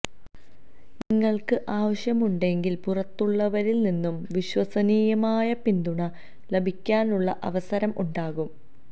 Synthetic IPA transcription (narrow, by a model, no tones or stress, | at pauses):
niŋːɐɭkɨʔaːʋɐɕjɐmuɳɖe̞ŋɡilpurɐt̪ːuɭːɐʋɐɾilninːumʋiɕwɐsɐniːjɐmaːjɐpind̪uɳɐ | lebʱikʲːaːnuɭːɐʔɐʋɐsɐɾɐmʔuɳɖaːɣum